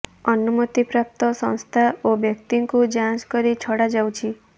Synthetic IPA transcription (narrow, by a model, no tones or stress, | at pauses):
ɔnumut̪ipɾap̚t̪ɔsɔ̰̃ñst̪ʰaobjʌk̚t̪iŋkud͡ʒãskɔɾit͡ʃʰɔɽad͡ʒawt͡ʃʰi